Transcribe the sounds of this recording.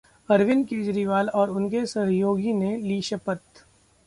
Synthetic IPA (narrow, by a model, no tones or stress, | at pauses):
ɐɾʋɪnkeːd͡ʒɾiʋaːlɔːɾʊnkesɐɦjoːɡineliːʃəpət̪